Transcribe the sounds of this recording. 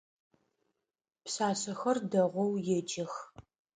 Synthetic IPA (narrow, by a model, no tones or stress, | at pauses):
psaːsɐxɐrdɐʁʷɔwjɛd͡ʒɐx